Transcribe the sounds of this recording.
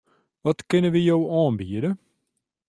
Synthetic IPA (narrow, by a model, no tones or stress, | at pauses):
ʋɔtkɪnəʋijowɑːnbiədə